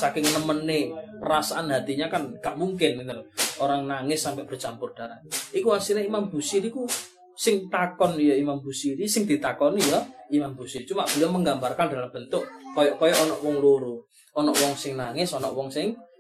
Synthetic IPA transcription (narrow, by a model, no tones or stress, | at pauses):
sakɪŋnəmənːepəɾasaʔanɦat̪iɲakanɡ̥aʔmuŋk̬ɪnmint̪alooɾaŋnaŋɪsːampɛʔb̥ərt͡ʃampʊrd̥a̤ɾaikuwasineimamb̥ṳsiɾiku | sɪŋt̪akɔnjɔimambṳsiɾisɪŋd̪̥i̤t̪akɔnijɔimambṳsiɾit͡ʃumaʔb̥əliɔməŋɡambarkand̥a̤lamb̥ənt̪ʊʔkɔjɔkɔjɔʔːnɔʔwɔŋloɾu | ɔnɔʔwɔŋsɪŋnaŋɪsɔnɔ̰ʔwɔŋsɪŋ